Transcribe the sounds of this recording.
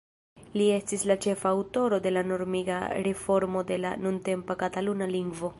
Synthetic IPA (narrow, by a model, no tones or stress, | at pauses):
lie̞stislat͡ʃe̞faːwto̞ɾo̞de̞lano̞ɾmiɡa̰ɾefo̞ɾmo̞de̞la̰nunte̞mpakatalunaliŋɡvo̞